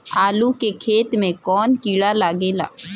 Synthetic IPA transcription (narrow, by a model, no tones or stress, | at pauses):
aːlukekʰeːt̪mẽkɔːnkiːɽalaːɡeːla̰ː